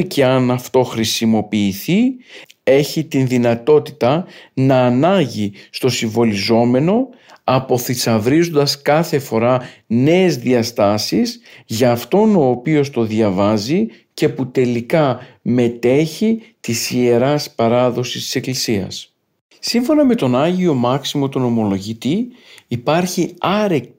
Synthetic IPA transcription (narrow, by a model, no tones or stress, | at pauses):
ce̞ɐnɐft̪o̞xɾisimo̞piːθi | e̞çit̪inðinɐt̪o̞t̪i̥t̪ɐnɐːnɐɲʝist̪o̞siɱvo̞lizo̞me̞no̞ | ɐpo̞θisɐvɾizond̪ɐskɐθe̞fo̞ɾɐne̞ːzðiɐst̪ɐsisʝɐːft̪o̞no̞ːpio̞st̪o̞ðʝɐvɐzi | ce̞put̪e̞likɐme̞t̪e̞çit̪isie̞ɾɐspɐɾɐðo̞si̥st̪i̥se̞klisiɐ̰s | siɱfo̞nɐme̞t̪o̞nɐʝio̞mɐksimo̞t̪uno̞mo̞lo̞ʝit̪iːpɐɾçiɐɾek